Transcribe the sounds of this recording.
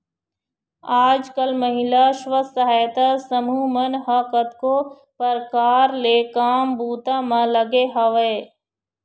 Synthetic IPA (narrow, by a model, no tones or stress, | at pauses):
aːd͡ʒkəlməɦɪlaʃʋəsɐɦaːjt̪asəmuːmənɦaːkət̪koː | pəɾkaːɾlekaːmbuːt̪amãləɡeɦɐʋe